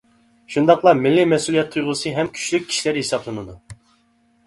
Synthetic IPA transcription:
ʃund̪ɑqlˠɑɾmilːimɛsulˠijɛt̪ʰːujʁʊsɨɦɛmkʲʰy̥t͡ʃlyk̚ʲʰːi̥ʃilæɾhesɑblˠɨnɨd̪u

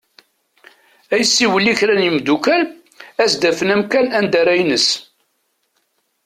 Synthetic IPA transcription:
æjəsːiwəliçɾænimd̪ukæl | æsd̪æfənæmkænænd̪æɾæjnəs

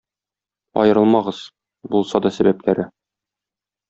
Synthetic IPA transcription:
ɒ̰jɤ̆ɾɤlˠmɑʁɤz̥ | bulˠsɑd̪ɒsæbæplæɾɘ

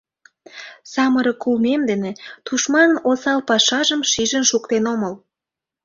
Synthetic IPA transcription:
sɑməɾəkulmemd̪enet̪uʃmɑnənosɑlpɑʃɑʒəmʃiʒənʃukt̪enoməl

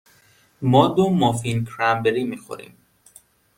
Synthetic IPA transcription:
mɒːd̪omɒfinkʰɾæmbeɾiːmiːxo̰ɾḭːm

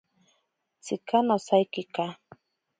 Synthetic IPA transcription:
t͡sɪkanasajkɪka

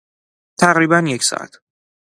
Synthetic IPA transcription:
t̪ʰæʁɾiːbænjecʰsɒ̰ʔæ̰t̪ʰ

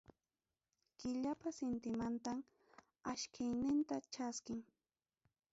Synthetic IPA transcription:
kɪʎapasɪnt̪ɪmant̪am | aʃkʰɪjnɪnt̪at͡ʃaskɪŋ

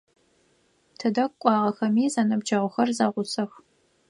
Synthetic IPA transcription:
tʰɨdɐkʷkʷʼɑːʁɐxɐmiːzanɐbd͡ʒɐʁʷʊxɐrzaːʁʷʊsɐx

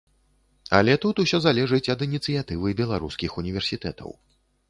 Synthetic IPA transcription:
ɐ̰lʲɛt̪ut̪usʲɔzalʲɛʐɨt͡sʲɐd̪ɨnʲit̪sɨjat̪ɨvɨbʲɛlˠaɾuskʲixunʲivʲɛrsʲit̪ɛt̪ɐ̰w

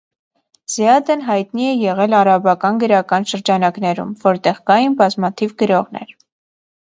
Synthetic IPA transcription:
z̥jɑd̪ənɦɑjt̪niɛjɛʁɛlɑɾɑbɑkɑnɡəɾɑkɑnʃəɾd͡ʒɑnɑknɛɾṵmvɔɾt̪ɛʁkɑjinbɑzmɑt̪ʰivɡəɾɔʁnɛ̰ɾ

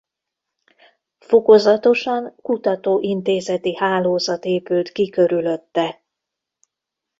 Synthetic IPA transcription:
fo̞ko̞zɒt̪o̞ʃɒŋkut̪ɒt̪oːʔint̪eːzɛt̪ihaːloːzɒt̪eːpylt̪kikø̞ɾylø̞t̪ːɛ

